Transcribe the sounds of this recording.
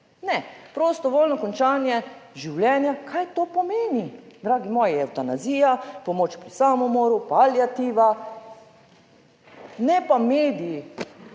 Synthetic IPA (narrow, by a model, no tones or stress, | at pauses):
nɛpɾoːst̪ɔʋoːlʲnɔkɔnt͡ʃaːnjɛʒiwljɛnjakʰajt̪oːpɔmeːnid̪ɾaːɡimɔːjijɛwt̪anaziːjapɔmoːt͡ʃpɾisamɔmoːɾupaljat̪iːʋa | nɛpameːd̪iji